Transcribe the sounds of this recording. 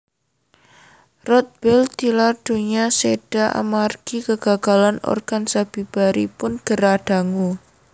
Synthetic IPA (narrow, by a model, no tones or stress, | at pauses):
rɔt̪̚b̥ɛld̪ilarɖ̥o̤ɲaseɖ̥aʔa̰marɡ̥ikəɡ̥aɡ̥a̤lanɔ̰rɡ̥ansab̥ib̥aɾipʊnɡ̥əɾad̥a̤ŋu